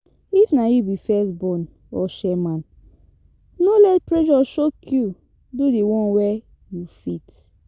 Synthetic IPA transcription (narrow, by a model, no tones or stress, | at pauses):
ifnajubifɛsbɔ̃n | ɔʃɛmãn | nolɛtpɹeʃɔʃokʰju | dudewɔ̃nwɛ | jufit